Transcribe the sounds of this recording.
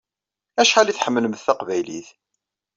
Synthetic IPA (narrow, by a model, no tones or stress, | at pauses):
æʃħaliθħəmːələməθθæqvæjlḭθ